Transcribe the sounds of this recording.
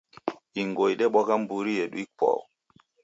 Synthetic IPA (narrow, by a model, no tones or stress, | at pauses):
iŋɡojɗɛɓɔkambuɾijeɗuik͡pɔ̰w